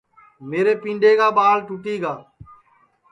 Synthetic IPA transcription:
meːɾeːpĩːɳɖeːɡaːɓaːlʈuʈiːɡaː

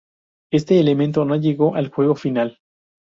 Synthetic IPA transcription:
e̞st̪e̞ːle̞ment̪o̞noʝe̞ɣo̞ʔalxwe̞ɣo̞final

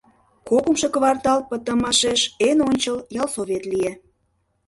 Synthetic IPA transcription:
kopumʃe̽kəβɑrt̪ɑlpət̪ə̆mɑʃeʃenonʲt͡ɕəljɑlsoβet̪lije

